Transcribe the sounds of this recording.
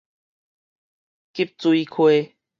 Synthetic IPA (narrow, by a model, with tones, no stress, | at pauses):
ki˦p̚t͡su˧i˦kʰweː˦